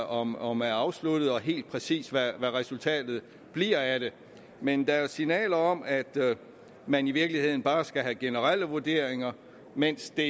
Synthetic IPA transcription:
ɒ̽mɒ̽mæɐɑ̈ʊslud̥ð̩ˠɒ̽ɦe̝̰ːld̥̚pʰʁɛsḭːsʋæʋæʁɛsult͡sʰɛ̰ːd̥ð̞̩ˠ | b̥liɐ̰æɾ̥e̝ | mend̥ɑ̈æɐsinɛ̰ːlɐɒ̽mæd̥ | mæniʋiɐɡ̥lihe̝ð̞̰ˠn̩b̥ɑ̈ːsɡ̥æɦæɡ̥e̝nəʁal̰əʋoɐd̥e̝ɐ̰eŋɐ | men̰sd̥e̝

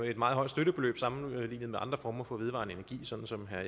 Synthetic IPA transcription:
e̝d̥mɑ̈ːð̩ˠɒ̽ɪ̰̥sd̥øɾ̥əb̥e̝lø̰ːb̥sɑ̈mn̩liːnð̩ˠmeɑ̈nd̥ʁɐfɒːmɐfɒ̽ʋe̝ðˠʋɑ̈nəe̝næɐɡ̥ḭːsɒ̽n̥n̩sɒ̽mɦæ

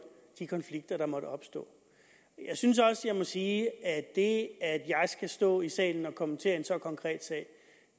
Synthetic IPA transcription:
d̥ikʰɒ̽nfliɡ̥̚d̥ɐɾ̥ɑ̈mɒ̽ɾ̥əɒ̽b̥sd̥ɔ̰̽ː | jɑ̈ɪsyns̬ɒ̽səjɑ̈ɪmɒ̽siːæd̥e̝æd̥jɑ̈ɪsɡ̥æsd̥ɔ̰̽ːisɛ̰ːln̩ɒ̽kʰɒ̽mət͡sʰe̝ːɐe̝nsɒ̽kʰɒ̽ŋkʰʁɛ̰ːd̥sɛ̰ːɪ

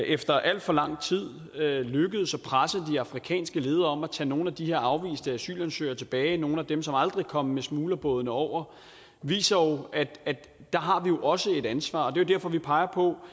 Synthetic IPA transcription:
efd̥ɐʔæl̰d̥fɒ̽lɑ̈ŋ̰t͡sʰið̞̰ˠ | løɡ̥əð̞̩ˠsɒ̽pʰʁasəð̩ˠd̥iɑ̈fʁikʰɛ̰ːnsɡ̥əle̝ːð̞ˠɐɒ̽mæt͡sʰɛ̰no̝ːn̩æd̥iheɐ̰ɑ̈ʊʋḭːsd̥əæsy̰ːlænsø̰ːɐt͡sʰe̝b̥ɛːɪno̝ːn̩æd̥emsɒ̽mɑ̈ld̥ʁikʰɒ̽məmesmuːlɐb̥ɔːð̞ˠənəɒʊ̰ɐ | ʋḭːsɐjo̝æd̥æd̥ː | ɑ̈ɦɑ̈ʋijo̝ʔɒ̽səe̝d̥ænsʋɑ̰̈ːɒ̽d̥e̝jo̝d̥æɐfɒ̽ʋipʰɑ̈ɪɐpʰɒ̽

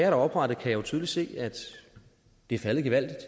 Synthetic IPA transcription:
ɐɾ̥ɑ̈ɒ̽b̥ʁɑ̈d̥ð̩ˠkʰæjɑoʊt͡sʰyðˠlise̝̰ːæd̥ | d̥e̝æɐfæləð̩ˠɡ̥eʋæl̰d̥id̥

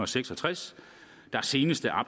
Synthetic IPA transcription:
ɒseɡ̥sɒ̽t͡sʰʁas | d̥ɑ̈æɐse̝ːnəsd̥əʔɑ̈b

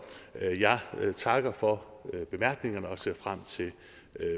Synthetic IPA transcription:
jɑ̈ɪt͡sʰɑ̈ɡ̥ɐfɒ̽b̥e̝mæɐ̰ɡ̥ne̝ŋɐnəɒ̽se̝ɐ̰fʁam̰t͡sʰe̝l

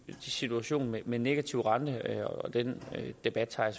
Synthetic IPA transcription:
d̥isit͡sʰuæɕo̝̰ːnmemenːe̝ɡ̥æt͡sʰiʊʁɑ̈nd̥əɒɒd̥end̥e̝b̥æd̥t͡sʰɑ̈ɪs

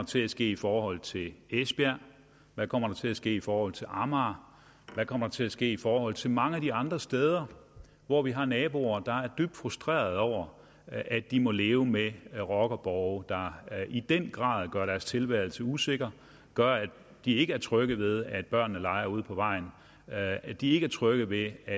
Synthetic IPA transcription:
ɐt͡sʰe̝læsɡ̥e̝̰ːifɒːhɒ̽l̰t͡sʰe̝lesb̥æ | ʋækʰɒ̽m̰ɐɾ̥ɑ̈t͡sʰe̝læsɡ̥e̝̰ːifɒːhɒ̽l̰ˠt͡sʰe̝lʔɑmɑ | ʋækʰɒ̽mɐɾ̥ɑ̈t͡sʰe̝læsɡ̥e̝̰ːifɒːhɒ̽l̰ˠt͡sʰe̝lmɑ̈ŋəæd̥iɑ̈nd̥ʁɐsd̥eːð̞ˠɐ | ʋɒʋiɦɑ̈nɛːb̥o̝ɐd̥ɑ̈æɐd̥yb̥̚d̥fʁusd̥ʁḛːɐð̞ˠɒʊ̰ɐ | ʔæd̥imɔ̽le̝ːʊəmeʁɒɡ̥ɐb̥ɒʊd̥ɑ̈id̥enɡ̥ʁɑ̰̈ːð̞ˠɡ̥ɶɐɾæɐst͡sʰe̝lʋæɐl̩səuse̝ɡ̥ɐ | ɡ̥ɶɐæd̥ | d̥ie̝ɡ̥əæɐt͡sʰʁœɡ̥əð̩ˠʋe̝ðˠæd̥̚b̥ɶɐnːəlɑ̈ɪɐuð̞̰ˠpʰɒ̽ʋɑ̈ɪ̰n̩ | æd̥ie̝ɡ̥əæɐt͡sʰʁœɡ̥əð̩ˠʋe̝æ

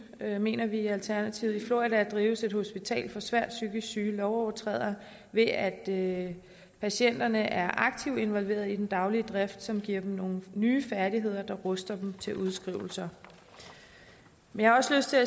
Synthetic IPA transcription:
øme̝̰ːnɐʋiælt͡sʰæɐnæt͡sʰiʊð̩ˠiflo̝idæd̥ʁiːʊse̝d̥ho̝sb̥it͡sʰɛ̰ːlfɒ̽sʋæɐ̰d̥syɡ̥əsyːlɒʊɒʊɐt͡sʰʁɛ̰ð̞̰ˠɐ | ʋe̝æd̥ | pʰæɕen̰d̥ɐnəʔæɐʔɑ̈ɡ̥̚t͡sʰiʊd̥e̝nʋɒ̽lʋe̝̰ːɐðˠid̥end̥ɑ̈ʊliəd̥ʁɛfd̥sɒ̽mɡ̥iɐ̰d̥em̩no̝ːn̩nyːfæɐɾiɦe̝ð̞̰ˠɐd̥ɑ̈ʁɔsd̥ɐd̥m̩t͡sʰe̝ʔuð̞ˠsɡ̥ʁḭʊl̩sɐ | menjɑhɑɒ̽sløsd̥t͡sʰe̝læ

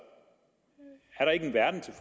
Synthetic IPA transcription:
æɐɾ̥ɑ̈e̝ɡ̥ən̩ʋæɐd̥n̩t͡sʰe̝f

